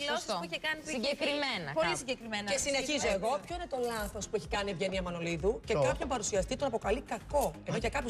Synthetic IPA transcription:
lossisuiçekɐniiiɟekɾimenɐpolisiɲɟekɾimenɐesineçizoeɣo̞pço̞ine̞t̪o̞lɐθo̞spueçi̥kɐnievʝe̞niɐmɐno̞liðuce̞kɐpçɐmbɐɾusiɐst̪it̪o̞nɐpo̞kɐlikɐko̞enoʝɐkɐpu

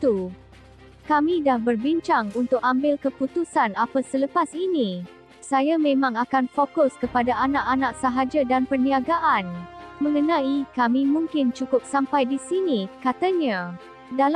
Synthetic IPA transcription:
t̪u | kamĩdahbərbiɲt͡ʃaŋunt̪ʊk̚ambɪlkəput̪usanapasələpasini | sajamẽmãŋakanfokʊskəpadaʔanãʔanaʔ̚saɦad͡ʒadanpərniaɡaʔanmə̃ŋənãikamimũŋkɪnt͡ʃukʊp̚sampajdisinikat̪aɲa | dal

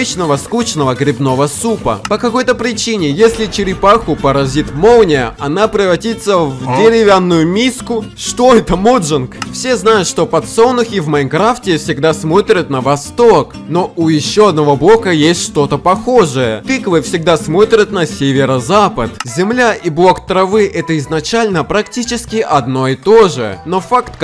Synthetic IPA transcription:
t͡ɕnəvəskut͡ɕnəvəɡɾʲɪbno̞vəsupə̰pəkɐko̞jt̪əpɾʲɪt͡ɕinʲɪjesʲlʲɪt͡ɕɪɾʲɪpaxʊpəɾɐzʲit̪mownʲɪəʔɐnapɾʲɪvɐtʲit̪səvdʲɪɾʲɪvʲanːʊjʊmʲiskʊʂt̪o̞ɛt̪əmoʐɨnkfsʲe̞znajʊt̪ʂt̪o̞pɐt̪so̞nʊxʲɪvmɐɪnkɾaftʲɪfsʲɪɡd̪asmo̞t̪ɾʲət̪nəvɐst̪ok | no̞ʔʊjɪɕːo̞ɐd̪̚nɐvo̞blˠo̞kəjesʲtʲʂt̪o̞t̪əpɐxoʐɨjət̪ɨklˠɨfsʲɪɡ̚d̪asmo̞t̪ɾʲət̪nɐsʲevʲɪɾəzapət̪zʲɪmlʲaʔiblˠo̞kt̪ɾɐvɨʔɛt̪əɪznɐt͡ɕalʲnəpɾɐktʲit͡ɕɪskʲɪʔɐd̪no̞ɪt̪o̞ʐɨ̰no̞fakt̪k

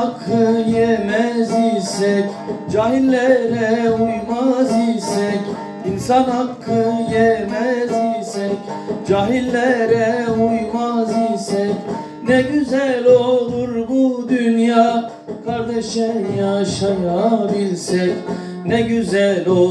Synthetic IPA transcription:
akʰːɯjemɛzijsɛc | d͡ʒaːɦilʲːɛɾɛujmazijsɛc | insanhakʰːɯjemɛzijsɛcd͡ʒaːɦilʲːɛɾɛujmazisɛc | nɛɟyzælʲolˠuɾbud̪ynjaː | kʰaɾd̪ɛʃɛjaʃaɾabilʲsɛc | nɛɟyzælo

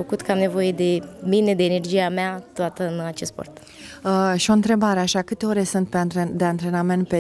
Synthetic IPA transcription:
əkut̪kəamne̞vo̞je̞d̪e̞mine̞d̪e̞ːnerd͡ʒiameat̪oat̪əɨnat͡ʃest̪po̰rt̪ | əʃio̞ɨnt̪ɾe̞baɾe̞aʃakɨt̪e̞oɾesɨnt̪̚pe̞ant̪ɾed̪e̞ant̪ɾe̞name̞nt̪̚pe

